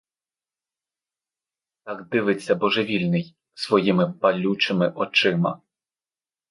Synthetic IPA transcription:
t̪ɑɡd̪ɪʋɪt͡sʲːɐbɔʒeʋʲilʲnɪj | sʋɔjimɪpɐlʲut͡ʃɪmɪʔɔt͡ʃɪmɐ̰

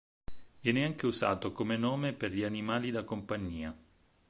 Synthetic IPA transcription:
vjɛːneaŋk̟euzaːt̪okomenɔːmeperʎianimaːlid̪akompaɲːiːa

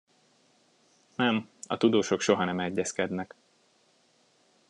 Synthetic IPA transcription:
nɛmɒ̰t̪ud̪oːʃo̞kʃo̞ɦɒnɛmɛɟːɛskɛd̪nɛk

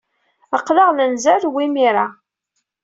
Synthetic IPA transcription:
əqːlɑʁlənzælwimiɾa

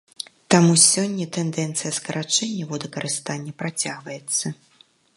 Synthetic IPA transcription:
t̪amusʲɔnʲːɐt̪ɛnd̪ɛnt̪sɨjɐskɐɾʔat͡ʂɛnʲːɐvɔd̪ɐkɐɾʔɨst̪anʲːɐpɾat͡sʲaɣvɐjɛt̪sːɐ

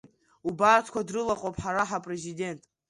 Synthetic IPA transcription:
ubartʰkʷadrɨlaqʼowpʼʰħaɾaħapʼre̞zide̞ntʼ

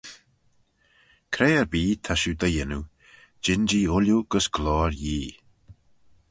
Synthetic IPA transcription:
kʰɾeːəɹbiːt̪ʰaʃud̪əjɪnu | d͡ʒɪnd͡ʒiːʊljuɡ̥əsɡ̥lɔːɹjiː

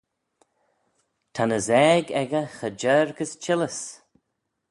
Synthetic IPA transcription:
t̪ʰanəzɛːɡɛɡəxəd͡ʒɛːɹkəst͡ʃɪləs

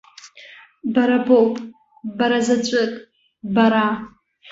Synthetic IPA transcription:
baɾabowpʼ | baɾazat͡ʃʷʼɨtʼ | baɾa

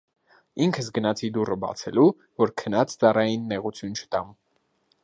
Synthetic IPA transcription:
iŋkʰəs̬ɡənɑt͡sʰid̪urəbɑ̰t͡sʰɛlu | vɔɾkʰənɑt͡sʰt͡sɑrɑjinːɛʁut͡sʰjunt͡ʃʰə̥t̪ɑm

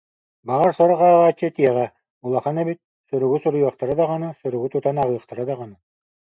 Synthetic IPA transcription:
baʁaɾsɔɾɔʁaːʁaːt͡ɕːɛt̪iɛʁɛ | ulˠaχanɛbit̪̚ | sœɾuɡusuɾujɔχt̪aɾad̪aʁanɯsœɾœɡut̪ut̪anaʁɯːχt̪aɾad̪aʁanɯ

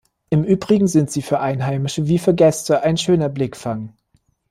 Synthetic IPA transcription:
ʔɪmʔyːbʁɪɡŋ̩zɪntz̥iːfyːɐʔaɪnɦaɪmɪʃəviːfyːɐɡɛstəʔaɪnʃøːnɐblɪkfaŋ

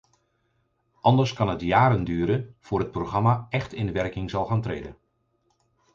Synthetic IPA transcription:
ʔɑndəɹskɑnɦətjaːɾəndyːəɾənv̥ʊːrɦət̚proχrɑmaɛxtɪndəʋɛrkɪŋzɑlˠxaːntreːdə

